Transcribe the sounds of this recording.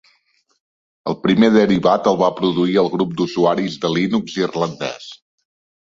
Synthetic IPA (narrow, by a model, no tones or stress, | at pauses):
ə̰lˠpɾimeðəɾiβat̪əlˠβapɾuðuiəlˠɣɾup̚d̪uzuaɾizðəlinukzirlənd̪ɛ̰s